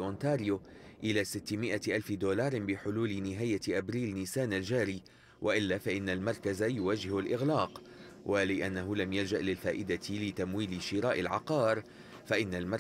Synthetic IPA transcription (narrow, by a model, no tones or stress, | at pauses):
ʔʊnt̪aːɾɪjoʔɪlaːsɪt̪ːɪmɪʔaʔalfɪd̪oːlɑːɾˤbɪħʊluːlɪnɪɦaːjaʔabɾiːlnɪsaːnald͡ʒaːɾiː | wʔaʔɪlːaːfaʔɪnːalmɑɾˤkazajʊwaːd͡ʒɪhalʔɪɣlaːq | wʔalɪʔanːaɦʊlamjald͡ʒaʔlɪlfaːʔɪd̪alɪt̪amwiːlɪʃɪɾɑːʔɪlʕɑ̰qɑːɾˤ | faʔɪnːalmɑɾ